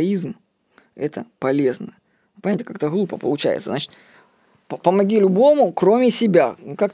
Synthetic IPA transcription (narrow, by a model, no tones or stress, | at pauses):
izm | ɛ̰t̪əpɐlʲe̞znə | pɐnʲætʲɪkakt̪əɣlˠupəpə̰lˠʊt͡ɕæ̰jɪ̰t̪səznat͡ɕɪ̥t̪ | ppəmɐɡʲilʲʊbo̞mʊkro̞mʲɪsʲɪbʲakak